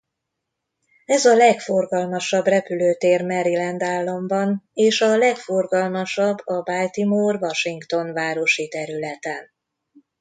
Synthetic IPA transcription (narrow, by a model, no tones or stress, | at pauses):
ɛzɒlɛkfo̞rɡɒlmɒʃɒbrɛpyløːt̪eːrmɛɾilɛnd̪aːlːɒmbɒneːʃɒlɛkfo̞rɡɒlmɒʃɒbːɒbaːlt̪imoːrvɒʃiŋkt̪o̞nvaːɾo̞ʃit̪ɛɾylɛt̪ɛn